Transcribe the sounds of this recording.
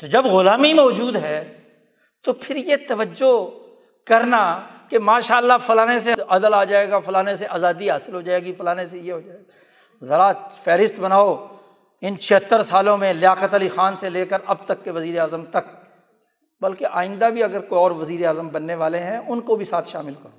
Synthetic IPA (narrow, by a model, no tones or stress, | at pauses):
t̪od͡ʒɐbɣʊlaːmimɔːd͡ʒuːd̪ɦɛː | t̪opʰɪɾjet̪ɐʋəd͡ʒːo | kɐɾnakemaːʃaːəlːafɐlaːnes̬eɐd̪əlaːd͡ʒaːeɡafɐlaːneseʔaːzaːd̪iɦaːsɪlɦoːd͡ʒaːeːɡifɐlaːnesejeɦoːd͡ʒaːeɡa | zɐɾafɛːɾɪst̪bɐnaːo | ɪnt͡ʃʰeɦət̪əɾsaːlõmẽlɪaːkət̪əlixaːnseleːkəɾɐb̚t̪ɐkːeʋɐziːɾeaːzəmt̪ɐk | bɐlkeʔaːɪ̃nd̪abʱiɐɡəɾkoːiɔːɾʋɐziːɾeaːzəmbɐnːeʋaːleɦɛ̃ʔʊnkobʱisaːt̪ʰʃaːmɪlkɐɾoː